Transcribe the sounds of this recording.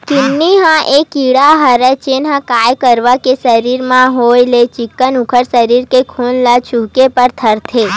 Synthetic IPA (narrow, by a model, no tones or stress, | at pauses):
kinːiɦãʔekiɽaɦəɾət͡ʃenɦãkajkəɾʋakesəɾiɾmãɦojlet͡ʃikːənũkʰəɾsəɾiɾkekʰunlat͡ʃukepəɾt̪ʰəɾt̪ʰe